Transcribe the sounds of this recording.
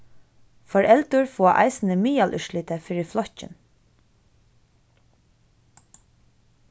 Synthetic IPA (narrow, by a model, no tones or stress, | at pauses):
fɔɹɛlt̪ʊɹfuaʔa̰ɪsɪnəmiːalʔʏ̰ʃliːt̪əfɪɹɪflɔhcɪ̰n